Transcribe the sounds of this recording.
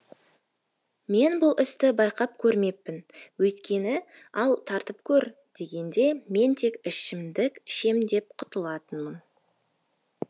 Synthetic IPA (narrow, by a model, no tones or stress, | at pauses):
me̞nbʊlˠʔɪst̪ɪbɑjqɑp̚kʲʰɵɾme̞pːɪnwɵjt̪kʲe̞nɪ | ɑlˠt̪ʰɑɾt̪əpkʲʰɵɾ | d̪̥e̞ɡʲe̞nd̪e̞me̞nt̪ʰe̞kɪʃɪmd̪ɪkʲʃe̞md̪e̞p̚qʰʊ̥t̪əlˠɑt̪ənmən